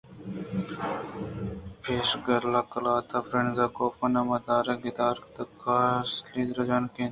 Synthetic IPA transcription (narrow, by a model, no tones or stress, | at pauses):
pʰeːʃɡɐɾlɐklaːt̪ʰɐfɾeɳzɐkoːfɐnɐmɐd̪aːɾeɡɪd̪aːɾkt̪ɐkasliːd̪ɾɐd͡ʒaːnkeːn